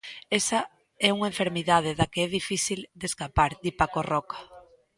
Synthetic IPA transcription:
esa | ɛuŋaeɱfeɾmiðað̞eðakeɛðifiθild̪eskapaɾd̪ipakorɔkḁ

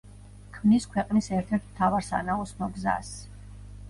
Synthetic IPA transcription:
kʰmniskʰwɛqʼnisɛɾt̪ʰɛɾt̪ʰmt̪ʰavaɾsa̰naɔsnɔɡza̰s

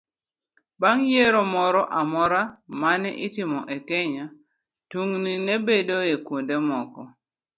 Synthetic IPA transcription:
baŋjeɾomɔɾɔʔamɔɾamanɛ̰ʔɪtɪmɔʔekɛɲa | tuŋninebedoekwundemɔkɔ

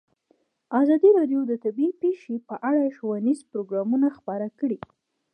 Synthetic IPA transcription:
azɑd̪iɾɑɖjod̪ət̪abipeʃepəʔaɽaʃowanizpɾoɡɾɑmunaxpɑɾakəɽi

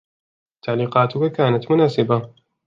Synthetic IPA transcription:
t̪ʰːaʕliːqaːt̪ukakaːnat̪mʊnaːsɪba

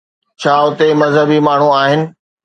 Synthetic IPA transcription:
t͡ɕʰaːʊt̪emɐzɦəbimaːɳ̤uaːɦɪnɪ̆

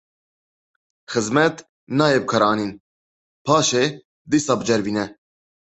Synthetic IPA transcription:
xəzmɛt̪ | nɑːjɛb̚kʰɐɾɑːniːn | pʰɑːʃe | d̪isɑːbəd͡ʒɛɾviːnɛ

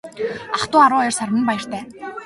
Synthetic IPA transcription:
aχt̪ʊːaɾʊːɔjɞ̆rsarmə̆npajə̆r̥t̪ʰæː

